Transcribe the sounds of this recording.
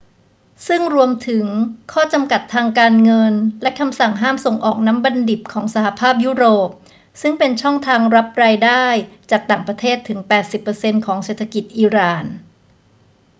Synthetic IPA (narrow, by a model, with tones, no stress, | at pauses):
sɯ˥˩ŋɾu˧əmt̪ʰɯ˩˦ŋkʰɔː˥˩t͡ɕa˧mka˨˩t̪ʰːaː˧ŋkaː˧nŋɤ˧nlɛ˦˥kʰa˧msa˨˩ŋɦaː˥˩mso˨˩ŋʔɔː˨˩k̚na˦˥mba˧ndi˨˩p̚kʰɔː˩˦ŋsa˧ha˨˩pʰaː˥˩p̚juː˦˥ɾoː˨˩p̚ | sɯ˥˩ŋpe˧nt͡ɕʰɔ˥˩ŋt̪ʰaː˧ŋɾa˦˥p̚ɾaː˧jdaː˥˩jt͡ɕaː˨˩k̚t̪aː˨˩ŋpɾa˧t̪ʰeː˥˩t̪ʰːɯ˩˦ŋpɛː˨˩t̪̚si˨˩pːɤː˧se˧nkʰɔː˩˦ŋseː˨˩t̪ʰːa˧ki˨˩t̪̚ʔiː˧ɾaː˨˩n